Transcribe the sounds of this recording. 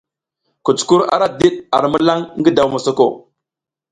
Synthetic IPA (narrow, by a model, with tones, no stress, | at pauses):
ku˨t͡su̥˨ku˦ɾa̰˦ɾa˦di˦ɗ̚a˨ɾmə˦la˦ŋŋɡi˦da˨wma˨so˦ko̰˦˨